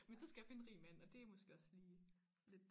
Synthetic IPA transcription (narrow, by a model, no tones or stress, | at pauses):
mensɒ̽sɡ̥æjɑ̈fe̝n̩ʁḭːmæn̰ɒ̽d̥e̝æmosɡ̥e̝ɒ̽sliː | le̝d̥